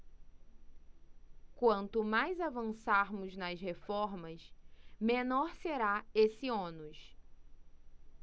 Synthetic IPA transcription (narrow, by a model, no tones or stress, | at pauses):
kwɐ̃nt̪ʊmajzavɐ̃saɾmʊznɐshefɔɾmɐsmẽnɔɾseɾaesɪõnʊs